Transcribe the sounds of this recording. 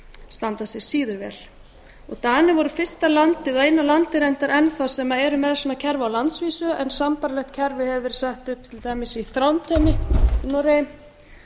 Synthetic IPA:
st̪ant̪asɛɾ̥siːðʏɾvɛ̰l | ɔɣt̪anːɪvɔɾʏfɪ̥st̪alant̪ɪðeːjnalant̪ɪɾejnt̪aɾʔɛnθawsɛmaɛɾʏmɛðsɔːnacʰɛɾvawlant̪sviːsʏɛnsampaɾlɛht̪̚cʰɛɾvɪhɛvɪɾ̥sɛht̪ʏhp̚t̪ʰɪlt̪ajmɪsiθɾawnt̪ʰɛmɪnɔɾejɪm

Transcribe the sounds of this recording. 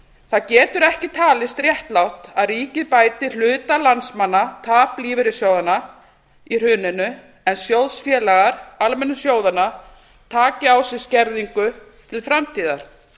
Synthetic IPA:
θaðcɛːt̪ʏɾɛhcɪt̪ʰaːlɪst̪ɾjɛht̪lawht̪aðriːcɪðpaːjt̪ɪl̥ʏːt̪alansmanːat̪ʰaːpliːvɪɾɪsjaːwðanːa | ir̥ʏːnɪnʏ | ɛnsjowðsfjɛːlaɣaɾ̥almɛnːʏsjoːwðana | t̪ʰaːcɪawsɪscɛɾðiŋkʏ | t̪ʰɪlfɾamt̪ʰiːðaɾ̥

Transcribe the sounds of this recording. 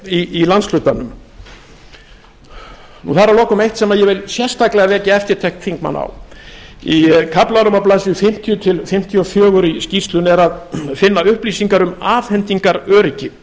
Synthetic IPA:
iːlanslʏt̪anʏm | nuθaɾaɾlɔːkʏmejht̪sɛmaðjɛvɪlsjɛr̥st̪aklɛɣavɛːcɪɛft̪ɪɾ̥t̪ʰɛht̪θiŋkma̰na̰w | ikʰaplaɾʏmaplaːsɪfɪm̥t̪ʰjʏt̪ʰɪlfɪm̥t̪ʰjɔfjœːɣʏɾiscist̪lʏnɛɾaðfɪnːaʏhpliːsiŋkaɾʏmaːfhɛnt̪iŋkaɾœːɾicɪ

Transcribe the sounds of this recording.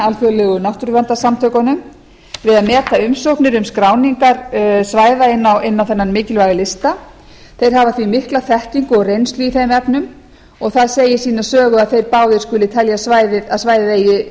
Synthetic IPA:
alfœɣlɛːɣʏnawht̪ɾvant̪asamt̪ʰœkanʏm | vɪðaðmɛːt̪aʏmsohknɪɾʏmskɾaːwniŋkaɾsvaːjðaɪnːawɪnːawθɛnːanmɪːcɪlvajɣɪlɪst̪a | θejɾ̥ɦavaθvimɪhklaθɛhc̪iŋkʏɔɣrejnst̪lyiθejmɛpnʏm | ɔɣθaðseːjɪsiːnḁsœːɣʏaðθejɾpaːwðɪɾ̥skʏlɪt̪ʰɛljasvajðɪaðsvaːjðejɪ

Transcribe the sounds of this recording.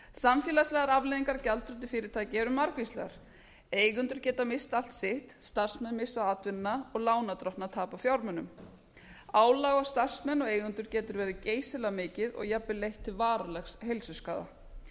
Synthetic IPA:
samfjɛlaslɛːɣaɾavleːðiŋkaɾcalt̪ʰɾʏt̪ɪfɪːɾɪɾt̪ʰaːjcɪɛɾʏmːaɾkvislɛ̰ɣa̰ɾ̥ | eːjɣʏnt̪ʏɾ̥cɛːt̪amɪst̪al̥t̪sɪht̪st̪ar̥smɛnːmɪsaðat̪vɪnːaɔɣlaːwnat̪ɾɔht̪nat̪ʰaːpafjawɾmɛnʏm | aːwlaɣawst̪ar̥smɛnːɔɣeːjɣʏnt̪ʏɾ̥cɛːt̪ʏɾvɛːɾɪceːjsɪlamɪːcɪðɔ̰ɣjapːɪlejht̪ʰːɪvaːɾalɛxshejlsʏskaːða̰

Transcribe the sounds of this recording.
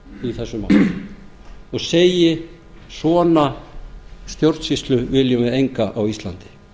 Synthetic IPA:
iθɛsːʏma̰l | ɔɣseːjɪ | sɔːna | st̪jowɾt̪sist̪lʏvɪljʏmɪðejŋkaʔawist̪la̰nt̪ɪ̥

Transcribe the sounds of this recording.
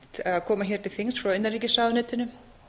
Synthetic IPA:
t̪ɛaðkʰɔːmaçɛɾ̥t̪ʰɪlθiŋsɔœɥnːɛɾɛhcːɪsaːðnɛːt̪ɪnʏ

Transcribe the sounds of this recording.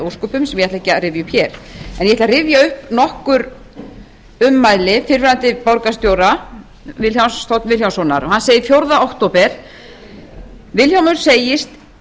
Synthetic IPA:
owskɔːpʏmsɛmjɛaht̪acːaɾɪːvjʏhpçjɛɾ̥ɛnjɛt̪larɪvjaʏhpnɔhkʏɾ | ʏmːaːjlɪfɪɾvɪɾant̪ɪpawɾkast̪joːwɾa | vɪljawnsst̪owt̪vɪljawnsɔna̰ɾɔhanseːjɪɾfjowɾðaowhkt̪oːpɛɾ̥ | vɪljawmʏɾ̥seːjɪst̪

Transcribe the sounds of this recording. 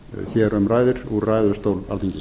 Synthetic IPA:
çɛɾœmraːjðɪɾ̥uɾrajðʏɾst̪oːwla̰lt̪ʰiŋcɪ

